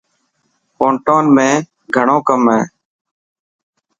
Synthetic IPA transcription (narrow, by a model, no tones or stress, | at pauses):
poːɳʈoːnmẽː | ɡʱəɳõːkəmɦẽː